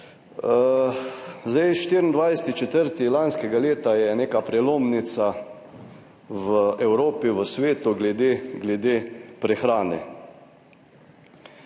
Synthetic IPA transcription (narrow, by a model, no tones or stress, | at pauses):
zd̪ɛjʃt̪iːɾind̪ʋajsɛ̥t̪it͡ʃɛt̪əɾt̪ilanskɛɡaleːt̪ajɛneːkapɾɛloːmnit̪sa | ʋəɛwɾoːpiʋəsʋeːt̪uɡlɛd̪eːɡlɛd̪eːpɾɛxɾaːnɛ̰